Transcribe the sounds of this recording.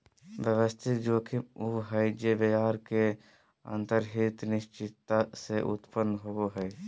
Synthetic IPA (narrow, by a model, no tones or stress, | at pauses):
ʋjəʋəst̪ʰɪk̪d͡ʒoːkʰiuɦɛjd͡ʒebejaːɾke | ə̰̃nt̪əɾɦit̪nɪʃt͡ʃɪt̪ːaseʔʊ̰t̪pənːɦooɦɛe